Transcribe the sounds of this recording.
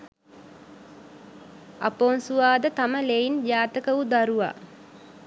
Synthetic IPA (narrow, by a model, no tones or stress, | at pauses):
a̰poːnsuʋaːd̪ət̪aməleind͡ʒaːt̪əkəʋud̪aɾuʋa̰